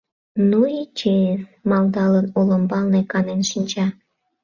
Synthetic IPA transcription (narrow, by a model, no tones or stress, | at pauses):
nuit͡ʃemɑld̪ɑlənoləmbɑlnekɑnenʃinʲt͡ɕɑ